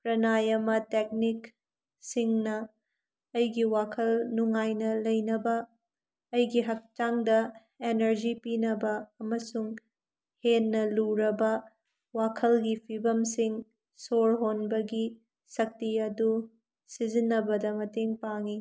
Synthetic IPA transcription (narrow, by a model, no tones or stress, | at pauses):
pɾɐnajɐmɐtek̚nik | siŋnɐ | ɐjɡiwakʰɐlnuŋajnɐlɐjnɐbɐː | jɡiɦɐk̚t͡ʃaŋdɐ | enɐɾd͡ʒipinɐbɐːmɐsuŋ | henːɐluɾɐbɐ | wakʰɐlɡipʰibɐmsiŋ | soɾɦonbɐɡi | sɐk̚tiɐdu | sizinːɐbɐdɐmɐteŋpaŋi